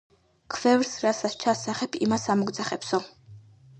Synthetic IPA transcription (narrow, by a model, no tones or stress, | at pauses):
kʰvɛvɾsɾasast͡ʃʰasaχɛpʰimasamɔɡd̪zaχɛpsɔ